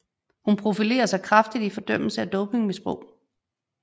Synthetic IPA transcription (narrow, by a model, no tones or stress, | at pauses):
hunpʰʁo̝file̝̰ːɐsɑ̈ɪkʰʁɑ̈fd̥id̥ifɒ̽d̥œm̰l̩səæd̥ɔ̽ʊpʰe̝ŋmesb̥ʁɔ̽ʊ̰